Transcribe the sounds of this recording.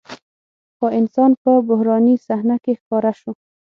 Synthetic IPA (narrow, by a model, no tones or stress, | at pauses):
xɔɪnsɑnpəbʊhɾɑnisahnakexkɔɾaʃʊ